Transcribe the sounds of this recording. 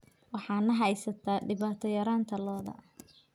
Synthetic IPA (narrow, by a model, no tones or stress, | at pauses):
wɑħɑːnɐɦɐjsɐt̪ʰaːɖɪβaːt̪ʰɔjɐɾaːnt̪ʰɐlɔːðɐ̰